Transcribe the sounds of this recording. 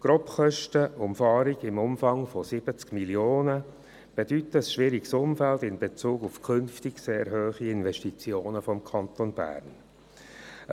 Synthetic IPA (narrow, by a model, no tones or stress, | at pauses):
ɡ̥ɾɔpχœʃtəʊmfɑːɾiɡɪmʊmfɑŋfɔsɪb̥ət͡skmiljoːnə | b̥ɛd̥ytːəsʃʋɪɾiɡsʊmfældɪnbet͡suːɡufkʰʏnftiɡseːɾɦøːχiɪnvɛʃtit͡sjoːnəfɔmkʰɑnt̪onb̥æ̰ːɾn